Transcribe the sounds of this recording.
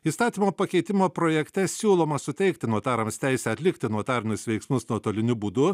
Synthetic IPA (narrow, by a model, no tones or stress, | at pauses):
iːst̪ɑːt̪ʲiːmoːpɐkʲɛɪt̪ʲɪmoːpɾoːjɛkt̪ʲɛsʲuːlˠoːmɐsʊt̪ʲɛɪkt̪ʲɪnuɔt̪ɑːɾɐmsʲt̪ʲɛɪsʲɛɐt̪ʲlʲɪkt̪ʲɪnuɔt̪ɑːɾʲɪnʲʊsʋʲɛɪksmʊsnuɔt̪oːlʲɪnʲʊbuːd̪ʊ